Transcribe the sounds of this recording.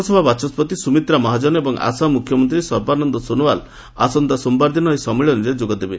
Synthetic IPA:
sɔbʱabat͡ʃʰɔspɔt̪isumit̪ɾamɔɦad͡ʒɔnɔebɔŋʔa̰samukʰjɔmɔnt̪ɾisɔɾbanɔnd̪ɔsonuwal | asɔnd̪asɔmbaɾd̪inɔɦjsɔmiɭɔniɾed͡ʒoɡɔd̪ebe

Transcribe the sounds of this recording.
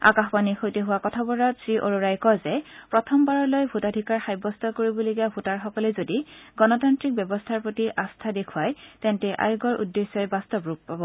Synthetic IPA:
a̰kaxpanixojteɦʊwakɔtʰabɔɹatsɹiʔoɹoɹajkɔzɛpɹɔtʰɔmbaɹɔɹlojbʱutadʱikaɹxajbɔstʰɔkoɹibɔloɡiabʱutaɹxɔkɔlɛzodiɡɔnɔtantɹik̚bjɔbɔstʰaɹpɹotiʔastʰadekʰwajtɛntɛʔa̰juɡɔɹʔṵdːesːɔjɛbastɔbɹuk̚pabɔ

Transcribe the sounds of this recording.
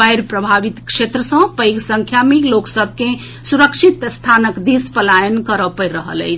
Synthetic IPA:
ajɾpɾəbʱaʋit̪kʃet̪ɾəsə̃pəjɡsəŋkʰjamiloksəbʱke | suɾəkʃʰit̪st̪ʰanəkd̪ispəlajənkəɾəpəɾəɦə̰lə̰jt͡ʃʰ

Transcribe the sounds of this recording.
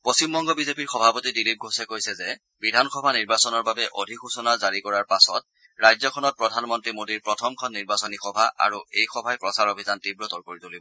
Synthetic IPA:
posimbɔŋɡɔbizepiɹxɔbʱapotidilip̚ɡʱosɛkojsɛzɛ | bidʱanxʰɔbʱaniɹbasɔnɔɹbabɛʔodʱikusɔnazaɹikɔɹaɹpasɔt̚ | ɹajzɔkʰɔnɔt̚pɹɔdʱanmɔntɹimodiɹpɹɔtʰɔmkʰɔnːiɹbasɔnixɔbʱaʔa̰ɹuejxɔbʱajpɹɔsaɹobʱizantibɹɔtɔɹkoɹitolibɔɔ

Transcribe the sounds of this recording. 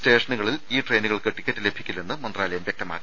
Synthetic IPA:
te̞ːʂɐnuɣɐɭiliːʈrejnuɣɐɭkɨʈːikʲːɐtːɨle̞bʱikʲːilːenːɨmɐnd̪raːlɐjɐmʋjek̚t̪ɐma̰ːkːi

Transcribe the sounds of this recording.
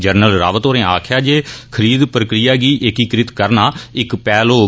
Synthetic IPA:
d͡ʒəɾnəlɾa̰ːʋət̪oːɾẽːaːkʰjaːd͡ʒeːkʰəɾiːd̪pɾəkɾɪjaːɡiːʔɪkiːkɾɪt̪kəɾnaːɪkpɛːloː

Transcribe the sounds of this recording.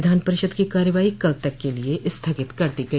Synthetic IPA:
ɪd̪ʱaːnpɐɾɪʃəd̪kikaːɾjəʋaːikɐlt̪ɐkːelieʔɪst̪ʰɐɡɪt̪kɐɾt̪iɡɐ

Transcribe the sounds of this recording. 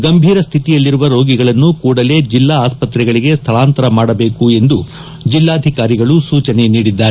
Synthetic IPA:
ɡɐmbʱiːɾɐst̪ʰit̪ijɐlːiɾuʋɐɾo̞ːɡiɡɐɭɐnːukuːɽɐle̞ːd͡ʒilːaaːspɐt̪ɾɛɡɐɭiɡe̞st̪ʰɐɭaːnt̪ɐɾɐmaːɽɐbe̞ːkue̞nd̪u | d͡ʒilːaːd̪ʱikaːɾiɡɐɭusuːt͡ʃɐne̞niːɽid̪ːaːɾe

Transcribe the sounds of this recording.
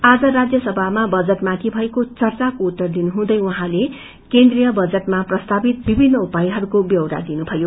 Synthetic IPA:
ad͡zʌɾad͡zjʌsʌbʱamabʌd͡zʌʈmãt̪ʰibʱʌekot͡sʌrt͡sakout̪ːʌrd̪inuɦũd̪ʌjwuɦãle | kend̪rijʌbʌd͡zʌʈmaprʌst̪abit̪̚bibʱinːʌupaiɦʌɾukobjʌwɾa̰d̪inubʱʌjo

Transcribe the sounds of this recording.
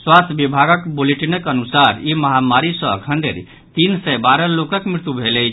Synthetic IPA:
swast̪ʰjəbibʱaɡəkboleʈinəkənusaɾiməɦamaɾisə̃ə̰kʰənɖ̪ḛɾ | t̪insɛbaɾəlokəkmɾɪt̪jubʱelɛ

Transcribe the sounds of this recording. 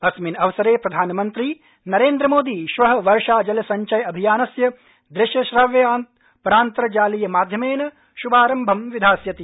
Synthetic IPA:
ɐsminɐʋɐsɐɾeːpɾɐd̪ʱaːnɐmɐnt̪ɾi | nɐɾeːnd̪ɾɐmoːd̪iʃʋɐɦɐ̆ʋɐɾʂaːd͡ʒɐlɐsɐɲt͡ʃɐjɐbʱijaːnɐsjɐ | d̪ɾɪʃjɐʃɾɐʋjɐaːnt̪ | pɐɾaːnt̪ɾɐd͡ʒaːlijɐmaːd̪ʱjɐmeːnɐ | ʃubaːɾɐmbʱɐmʋid̪ʱaːsjɐt̪i

